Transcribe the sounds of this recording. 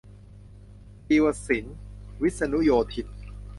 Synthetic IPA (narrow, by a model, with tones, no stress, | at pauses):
iː˧wa˧˩si˩˦nwi˦˥t̪̚sa˧nu˦˥joː˧t̪ʰi˨˧t̪̚